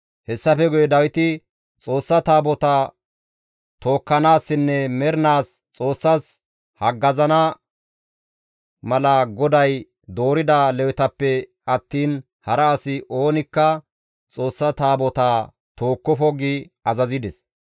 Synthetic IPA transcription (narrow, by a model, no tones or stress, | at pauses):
hɛsːɐfɛɡʊjɛd̪ɐwɪt̪ɪ | t͡sʼo̞ːsːɐt̪aːbɔt̪ɐ | t̪o̞ːkːɐnaːsːɪnːɛmɛɾnaːs | t͡sʼo̞ːsːɐs | hɐɡːɐzɐnɐ | mɐlɐɡɔd̪ɐj | d̪o̞ːɾɪd̪alɛwɪt̪ɐpːɛ | ɐt̪ːiːn | hɐɾɐːsɪʔo̞ːnɪkːɐ | t͡sʼo̞ːsːɐt̪aːbɔt̪aː | t̪o̞ːkːɔfɔɡɪ | ɐzɐzɪd̪ɛs